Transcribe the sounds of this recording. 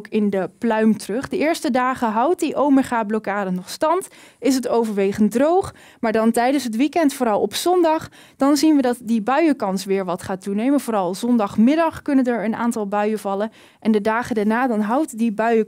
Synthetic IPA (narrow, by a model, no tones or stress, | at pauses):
kɪndəplœɥmtrɵχdəɪːɹstədaːχəɦɑwt̚diʔowməɹχaːblokaːdənɔχstɑnt | ɪs̬ətowvəɹʋejχəndrowχ | maːɹdɑntɛjdənsɦətʋikɛntfoːɾɑlˠɔpsɔndɑχ | d̥ɑnzinʋədɑtdibœɥəkɑnsʋɪːɹʋɑtχaːtunejmənv̥oːɾɑlˠzɔndɑχmɪdɑχkɵnəndəɹəna̰ːntɑlˠbœɥəvɑlˠə | ʔɛndədaːχədaɹnaːdɑnɦɑwtdibœɥə